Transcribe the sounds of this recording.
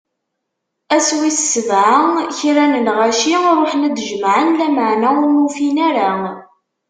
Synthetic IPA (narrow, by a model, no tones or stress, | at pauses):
æswissəvʕaçɾænənʁæʃiɾˤoħnæd̪ʒmʕənlæməʕnæʊmufinæɾa